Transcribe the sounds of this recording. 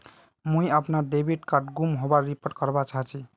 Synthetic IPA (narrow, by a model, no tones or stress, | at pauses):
mũij̃əpnaɖebiʈkaɾʈɡumɦobaːipəʈkʌɾbat͡ʃʰaɦt͡ʃʰi